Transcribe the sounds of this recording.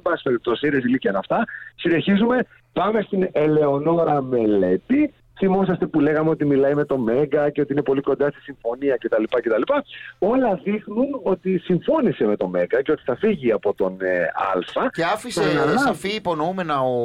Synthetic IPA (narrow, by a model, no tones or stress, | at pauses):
bɐsespeɾip̚t̪o̞sisiɾeziliciɐnɐft̪ɐsine̞çizume̞ | pɐme̞st̪inele̞o̞no̞ɾɐme̞le̞t̪i | θimo̞s̬ɐst̪e̞pule̞ɣɐme̞o̞t̪imilɐime̞t̪o̞me̞ŋɡɐceo̞t̪iine̞po̞liko̞nd̪ɐst̪i̥siɱfo̞niɐce̞t̪ɐlipɐce̞t̪ɐlipɐo̞lɐðixnuno̞t̪isiɱfo̞nise̞me̞t̪o̞meŋɡɐce̞o̞t̪i̥θɐfiʝiɐpo̞t̪o̞nɐ̰lfɐeɐfisenɐlɐɐfiːpo̞noumenɐo